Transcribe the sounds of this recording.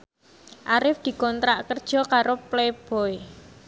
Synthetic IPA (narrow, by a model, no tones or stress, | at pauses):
ʔaɾɪfd̪̥i̤kɔnt̪ɾaʔkərd̥ʒ̥ɔ̤kaɾopleb̥ɔ̤e